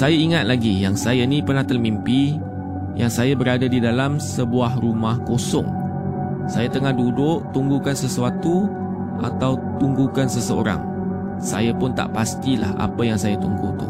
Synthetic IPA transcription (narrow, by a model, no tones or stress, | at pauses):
sajaiŋat̪̚laɡijaŋsajanĩpərnaht̪ərmimpi | jaŋsajabəɾadadidalamsəbuahrumahkosɔ̰ŋ | sajat̪əŋahdudʊʔt̪uŋɡukansəsuat̪u | ʔa̰t̪awt̪uŋɡukansəsəo̰ɾa̰ŋ | sa̰japʊnt̪a̰ʔpast̪ila̰ha̰pəjaŋsajat̪uŋɡut̪ṵ